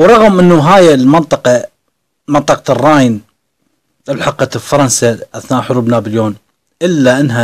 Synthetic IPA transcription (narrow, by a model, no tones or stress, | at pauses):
wɾˤɑɣəmʔɪnːuɦaːjɪlmɑnt̪ˤɑqɑ | mɑnt̪ˤɑqɑrˤːɑːjɪn | ɪlħɑqɑt̪fɑɾˤɑnsaʔaθnaːʔħʊɾuːbnabɪljoːn | ʔɪlːaʔɪnːɦa